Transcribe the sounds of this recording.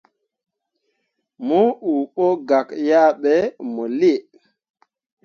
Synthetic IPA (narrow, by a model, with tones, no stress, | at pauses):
mɔ˦u˨ɓo˦ɡa˨kja˦ɓɛ˨mɔ˨li˦e˨